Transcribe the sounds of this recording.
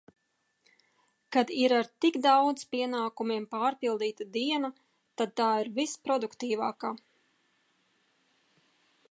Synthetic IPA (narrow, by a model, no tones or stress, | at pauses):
kad̪iɾaɾt̪iɡd̪awd̪zpiɛnaːkumʲiɛmpaːɾpilˠd̪iːt̪ad̪iɛna | t̪ad̪̚t̪aːiɾvispɾɔd̪ukt̪iːvaːkaː